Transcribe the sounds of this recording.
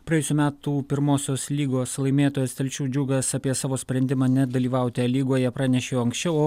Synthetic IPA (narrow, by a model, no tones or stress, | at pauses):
pɾɐɛjʊsʲuːmʲæːt̪uːpʲɪɾmoːsʲoːslʲiːɡoːslˠɐɪmʲeːt̪oːjoːst̪ʲɛlʲt͡ʃʲuːd͡ʒʲuːɡɐsɑpʲiɛsɑːʋoːsʲpʲɾʲɛnʲd̪ʲɪmɑːnʲɛd̪ɐlʲiːʋɐʊt̪ʲɛlʲiːɡoːjɛpɾɑːnʲɛʃʲeːjoːɐŋksʲt͡ʃʲɛʊoː